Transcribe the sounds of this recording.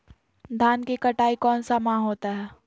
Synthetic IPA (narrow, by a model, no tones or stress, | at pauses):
d̪ʱaːnkekɐʈaːikɔːnsamãɦoːt̪aɦɛː